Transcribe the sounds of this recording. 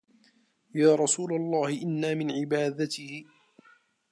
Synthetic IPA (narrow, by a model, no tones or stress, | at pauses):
jaːɾˤɑsuːlalˤːɑːhɪʔɪnːaːmɪnʕɪbaːd̪at̪ɪhɪ